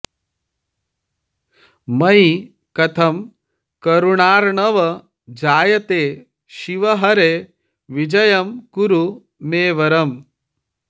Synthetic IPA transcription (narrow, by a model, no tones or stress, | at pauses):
mɐj | kɐt̪ʰɐm | kɐɾuɳaːɾɳɐʋɐ | d͡ʒaːjɐt̪eː | ʃiʋɐɦɐɾe | ʋid͡ʒɐjɐmkuɾu | meːʋɐɾɐm